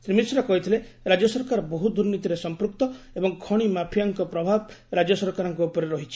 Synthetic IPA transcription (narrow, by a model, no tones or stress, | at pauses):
sɾimisɾɔkɔɦit̪ʰile | ɾad͡ʒɔsɔɾkaɾɔbɔɦud̪uɾnit̪iɾesɔmpɾuk̚t̪ɔ | ebɔŋkʰɔɽ̃imapʰijaŋkɔpɾɔbʱabɾad͡ʒɔsɔɾkaɾɔŋkuopɔɾeɾɔɦit͡ʃʰi̥